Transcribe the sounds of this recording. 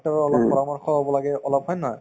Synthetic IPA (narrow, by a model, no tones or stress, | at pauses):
tɔɛɔlɔpːɔɹamɔɹxɔɦobɔlaɡɛɔlɔbɦɔjnɔj